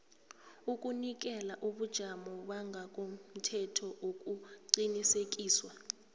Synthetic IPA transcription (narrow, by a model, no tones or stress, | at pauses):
ukʼunik̬ɛlaʔuɓud̥ʒ̥ʱamɔɓaŋɡʱak̬ʼom̩tʰɛtʰɔʔok̬ʼuǀinisek̬ʼiːswa